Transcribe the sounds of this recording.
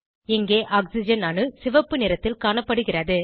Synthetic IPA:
ɪŋɡeːʔaːksɪd͡ʒɐnaːnɯsɪʋɐpːɯnɪɾɐt̪ːɪlkaːɳɐpːɐɽɯɣɪrɐðɯ

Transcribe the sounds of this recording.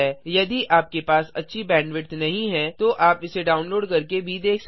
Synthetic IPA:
ɛjɐd̪iʔʔaːp̚kepaːsɐ̰tːʃʰibɛ̃ːɳɖʋɪʈt̪nɐɦĩɦɛ̃t̪oʔaːpɪseɖaːʊnloːɖkɐɾkebʱid̪eːkʰs

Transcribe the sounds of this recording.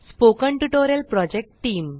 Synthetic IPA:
spokə̃ɳʈuʈoɾjəlpɾɔd͡ʑek̚ʈʈːiːm

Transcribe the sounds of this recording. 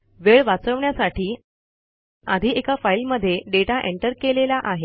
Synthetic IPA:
ʋeɭʋat͡səʋɳjasaʈiː | ad̪ʱiːekafailməd̪ʱːjeɖeʈaʔeɳʈəɾkelelaʔaɦe

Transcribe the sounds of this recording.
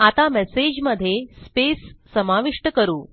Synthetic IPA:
at̪amɛsed͡ʑməd̪ʱːjespesː | əmaʋiʂʈəkəɾuː

